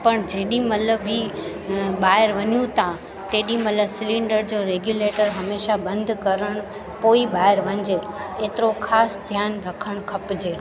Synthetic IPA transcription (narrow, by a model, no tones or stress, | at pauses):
pɐɽ̃d͡ʑeːɗĩmɐləbi | ɓaːɪɾʋɐɲjũt̪ʰa | t̪eːɗĩmɐt̪ləbsɪlɪ̃ɳɖəɾd͡ʑoːɾeːɡjuːleːʈəɾɦɐmeːʃabɐ̃nd̪ʱkɐɾəɽ̃ | poːiɓaːɪɾʋɐ̃ɲd͡ʑeeːt̪ɪɾoxʰaːsd̪ʱjaːnɾɐkʰəɽ̃kʰɐpd͡ʑeː